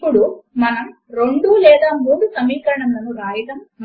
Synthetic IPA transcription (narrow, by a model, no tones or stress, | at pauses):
pːuɽumɐnɐm | ɾeɳɖulɛːd̪aːmuːɽusɐmiːkɐɾɐɳɐmlɐnuɾaːjɐɽɐm